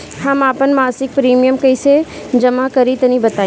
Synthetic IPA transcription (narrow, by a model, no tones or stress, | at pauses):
ɦɐmaːpənmaːsɪk̚pɾiːmijəmkɐɪse | d͡ʒɐmakɐɾit̪ɐnĩbɐt̪aː